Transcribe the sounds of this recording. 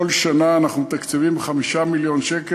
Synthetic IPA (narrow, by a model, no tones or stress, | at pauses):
olʃanaːnaχnumt̪akt͡sivimχamiʃamiljo̞nʃeke